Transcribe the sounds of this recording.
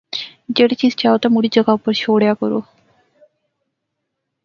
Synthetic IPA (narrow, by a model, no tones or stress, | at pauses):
d͡ʒeɽit͡ʃizt͡ʃaot̪amuɽid͡ʒəɡaupːəɾʃoːɽjakəɾo̰